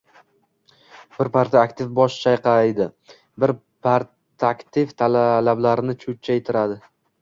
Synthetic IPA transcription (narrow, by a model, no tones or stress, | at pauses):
b̥ɪɾpʰaɾt̪aakt̪ʰɪfbɒʃt͡ʃʰajqɑjd̪ɪ | bɪɾ | pʰaɾ | t̪ʰakʲt̪ʰɪft̪ʰallablaɾɪnɪt͡ʃʰʊt̪̚t͡ʃʰaet̪ʰɪɾad̪ɪ